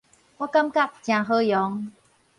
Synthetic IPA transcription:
wɔ˧ka˧mka˧˨˩p̚t͡ɕãː˨˩ɦɤː˧˩jɔː˨˦ŋ

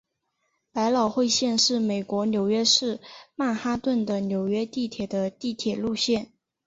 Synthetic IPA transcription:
pa˧˥ɪlɑ˨˩ʊxwe˥˧ɪɕjɛ˥˧nʂɻ̩˥˩me˨˩ɪkwɔ˧˥njo˨˩ʊɥɛ˥ʂɻ̩˥˧ma˥˩nxa˥t̪wə˥˩nd̪ə˩njo˨˩ʊɥɛ˥t̪i˥˩t̪ʰjɛ˨˩d̪ə˦t̪i˥˩t̪ʰjɛ˨˩lu˥˧ɕjɛ˥˩n

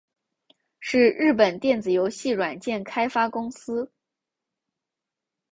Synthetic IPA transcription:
ʂɻ̩˥˧ɻɻ̩˥˩pə˨˩nt̪jɛ˥˩nt͡sɹ̩˨˩jo˧˥ʊɕi˥˩ɻwa˨˩nt͡ɕjɛ˥˩nkʰa˥ɪfa˥kʊ˥ŋsɹ̩˥

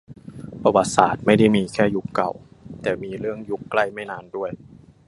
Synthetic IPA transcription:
pʰa˧wa˧˩t̪̚sa̰ː˨˩˦t̪̚ma˥˩jda˥˩jmiː˧kʰɛː˥˩ju˦˥kːa˨˩w | t̪ɛː˨˩miː˧ɾɯ˥˩əŋju˦˥kːla˥˩jma˥˩jnaː˧ndu˥˩əj

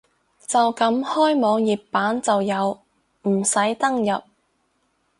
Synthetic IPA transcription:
t͡sɐ˨wkɐ˨˥mhɔː˥jmɔː˨˧ŋjiː˨˩p̚pːaː˨˥nt͡sɐ˨wjɐ˨˧w | m̩˨˩sɐ˨˥jt̪ɐ˥ŋjɐ˨p̚

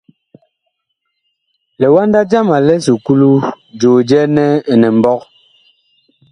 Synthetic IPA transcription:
lɛ˨wa˦nda˦d͡ʒa˦ma˨lɛ˦su˨ku˦lu˦ | d͡ʒo˨d͡ʒɛ˦nɛ˦ɛ˨nɛ˨m̩˨bɔ˦k̚

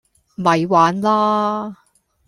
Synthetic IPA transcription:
mɐ˨jwaː˨˥nlaː˥

